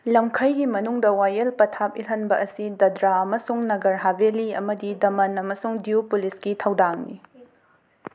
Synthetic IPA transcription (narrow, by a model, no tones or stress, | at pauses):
lɐmkʰɐjɡimɐnuŋdɐwajɐlpɐtʰap̚ilɦɐnbɐʔɐsidɐdɾaɐmɐsuŋnɐɡɐɾɦabeliɐmɐdidɐmɐnɐmɐsuŋdiupulisɡitʰɐwdaŋnḭ